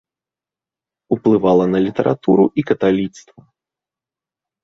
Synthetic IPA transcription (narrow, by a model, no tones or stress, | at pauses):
uplˠɨvalˠɐnɐlʲit̪ɐɾʔat̪uɾuʔikɐt̪alʲit̪st̪vɐ